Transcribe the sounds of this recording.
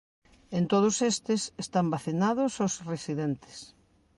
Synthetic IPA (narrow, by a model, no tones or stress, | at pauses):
ent̪oð̞ʊsest̪ɪsest̪ambaθinaðʊsosresiðent̪ɪ̥s